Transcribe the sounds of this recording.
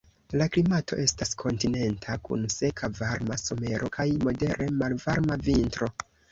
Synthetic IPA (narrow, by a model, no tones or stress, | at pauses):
laklimatʰo̞ʔe̞staskʰo̞ntine̞ntʰakṵnse̞kʰavaɾmaso̞me̞ɾʔo̞kajmo̞de̞ɾʔe̞malvaɾmavintɾo̞